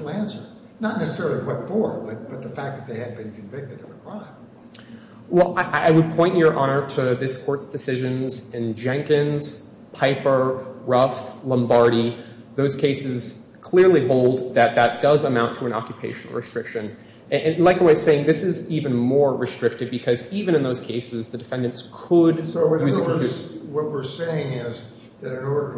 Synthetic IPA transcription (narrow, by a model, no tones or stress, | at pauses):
maɪæ̃nsə˞ | nətⁿnɛsəsɛɹl̩ˠiwʌtfə˞b̥ʌt̚b̥ʌt̪̚ðəfæk̚ðɨt̪̚ðeɪɨd̚bɨ̃nkʰɨ̃ɱvɪk̚tɨɾɨ̃nəkʰɹ̥ãɪ̃m | wɛlˠaɪʔaɪaɪwɨd̚pʰɔ̃ɪ̃njə˞ʔɑnə˞ɾɨðɪskʰɔɹtsd̥ɨsɪʒɨ̃nzɪ̃nd͡ʒɛ̃ŋkɨ̃nz̥ | pʰaɪpə˞ɹʌflə̃mbɑɹɾi | ðoʊz̥kʰeɪsɨz̥ | kʰl̥ɪɹliɦoʊlˠd̪̚ðɨt̪̚ðɨt̚d̥ʌzəmãʊ̃ntʰəɨ̃nɑ̰kjɨpʰeɪʃɨ̃n̩l̩ˠɹʔɨ̰stɹ̥ɪkʃɨ̃n | nlaɪkəwaɪz̥seɪɪ̃ŋðɪsɨzivɨ̃nmɔɹːɨstɹ̥ɪk̚tɨvbɨkʰʌzivɨ̃ñɨ̃nðoʊz̥kʰeɪsɨzðɨdɨfɛ̃ndɨ̃ntskʰədojʉz | wʌt̚wɪɹseɪɪ̃ŋɪz | ðɨɾɨ̃nɔɹ